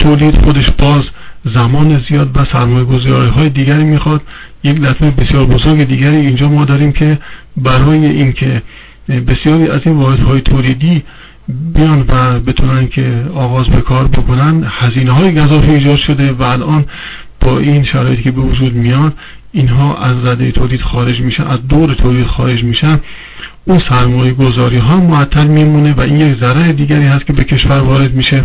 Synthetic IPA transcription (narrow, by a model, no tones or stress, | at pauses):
t̪ʰoːliːd̪xod̪e̞ʃbɒːzzæmɒːnezijɒːd̪væsæɾmɒːjeɡo̞zɒːɾiːɦɒːjed̪iːɡʲæɾiːmiːxɒd̪̥ | jeklæt̪ʰmejebe̞sjɒːɾbozoɾɡed̪iːɡʲæɾiːind͡ʒɒːmɒːd̪ɒːɾiːmkʰebæɾɒːjeʔiːnkʰe̞ | be̞sjɒːɾiːæziːnvɒːhed̪hɒːjet̪ʰoːliːd̪iː | bijɒnd̪væbe̞t̪ʰunænkʰeɒːɣɒːzbḛkʰɒːɾbokʰonænd̪hæziːneɦɒːjeɡæzɒːfiiːd͡ʒɒːd̪ʃo̞d̪e̞væːlʔɒːn | b̥ɒːʔiːnʃæɾɒːje̞t̪iːcʰebe̞vod͡ʒuːd̪mijɒnd̪ | iːnɦɒːʔæzɾæd̪ejet̪ʰoliːd̪xɒːɾe̞d͡ʒmiːʃæʔæzd̪oːɾet̪ʰoliːd̪̥xɒ̰ːɾe̞d͡ʒmiːʃæn | ʔunsæɾmɒːjeɡo̞zɒːɾiːɦɒːmːoæt̪ʰːælmimune̞væʔiːnjekzæɾæɾed̪iːɡæɾiːhæst̪̚cʰe̞be̞kʰe̞ʃvæɾvɒːɾe̞d̪miːʃe